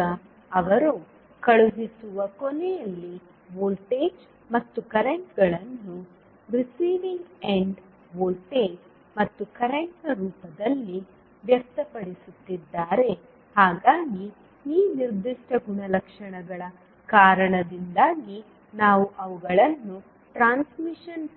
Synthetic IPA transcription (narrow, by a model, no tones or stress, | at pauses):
ɐ | ɐʋɐɾu | kɐɭuɡisuʋɐkonɛjɐlːi | ʋoːlʈeːd͡ʒ | mɐt̪ːukɐɾeɳʈɡɐɭɐnːu | ɾisiːʋiŋɡeɳɖ | ʋoːlʈeːd͡ʒ | mɐt̪ːukɐɾeɳʈɐɾuːpɐd̪ɐlːi | ʋjɐk̚t̪ɐpɐɽisut̪ːid̪ːaːɾe̞ | haːɡaːɡi | iːniɾd̪iʂʈʰɐɡuɳɐlɐkʂɐɳɐɡɐɭɐ | kaːɾɐɳɐd̪ind̪aːɡi | naːʋuʔɐʋuɡɐɭɐnːu | ʈɾaːnsmiʂɐn